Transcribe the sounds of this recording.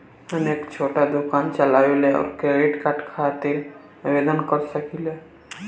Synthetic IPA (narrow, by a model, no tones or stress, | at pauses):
ənekt͡ʃʰoʈad̪ukant͡ʃəlaːʋeleɔ̰ːɾkeɾeʈkaʈkʰat̪iɾ | bed̪ənkəɾsəkile